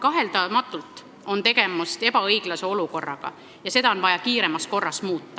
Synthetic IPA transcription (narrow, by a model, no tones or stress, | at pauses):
kɑɦe̞ld̪ɑmɑt̪ːˑult̪ˑ | o̞nt̪e̞ɡ̥e̞must̪e̞bɑɤjɡ̥lɑse̞o̞luko̞rːɑ̰ɡ̥ɑ̰ | jɑse̞d̪ɑo̞nvɑjɑkiːɾe̞mɑsko̞rːɑsmuːt̪ːɑ